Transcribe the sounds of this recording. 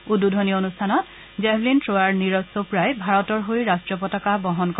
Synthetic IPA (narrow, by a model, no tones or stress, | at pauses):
ududʱɔniɔonustʰanɔt | zɛblintɹoaɹniɹɔsopɹajbʱaɹɔtɔɹɦojɹastɹɔpɔtakabɔɦɔnkɔ